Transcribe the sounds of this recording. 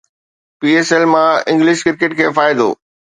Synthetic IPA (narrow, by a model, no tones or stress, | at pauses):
piːeːsɛlmãɪ̃ŋɡlɪʃkɪɾkeʈkʰeːfaːɪd̪o̰ː